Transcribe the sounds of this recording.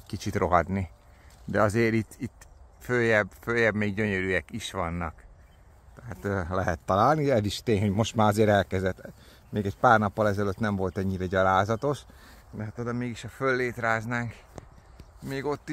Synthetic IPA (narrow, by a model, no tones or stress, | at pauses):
ckit͡ʃit̪ro̞ɦɒd̪ni | d̪ɛɒzeːɾit̪ːit̪ːføːjɛbføːjɛbmeːɡɟø̞ɲøɾyːɛkiʃʋɒnːɒk | t̪ɛɦat̪ølɛɦɛt̪ːɒlaːlniɛd̪iʃt̪eːɲho̞ɟmo̞ʃt̪maːɾɒzeːɾɛlkɛzd̪ɛt̪ː | meːɡɛcpaːrnɒpːɒlɛzɛløt̪nɛɱvo̞lt̪ɛɲːiɾɛɟɒlaːzɒt̪o̞ʃ | d̪ɛɦt̪od̪omːeːɡiʃɒfølːeːt̪ɾaːznaːŋk | meːɡo̞t̪ːi